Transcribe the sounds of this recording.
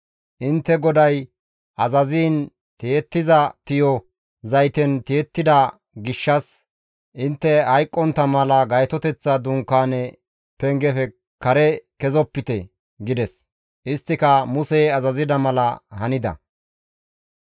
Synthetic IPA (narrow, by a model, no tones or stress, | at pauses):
ʔɪnt̪ːɛɡɔd̪ɐj | ʔɐzɐziːn | t̪eːt̪ːɪzɐt̪ɪjɔ | zɐjt̪ɛnt̪eːt̪ːɪd̪ɐ | ɡɪʃːɐs | ʔɪnt̪ːɛhɐjkʼːɔnt̪ːɐmɐlɐɡɐjt̪ɔt̪ɛt͡sːɐd̪ʊŋkːaːnɛ | pɛŋɡɛfɛ | kɐɾɛkɛzɔpːɪt̪ɛ | ɡɪd̪ɛs | ʔɪst̪ːɪkɐmʊsɛjɐzɐzɪd̪ɐmɐlɐhɐnɪd̪ɐ̰